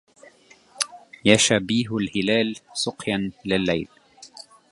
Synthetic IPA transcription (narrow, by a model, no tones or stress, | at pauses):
jaʃabiːɦlhɪlaːlsʊqjanlɪlːajl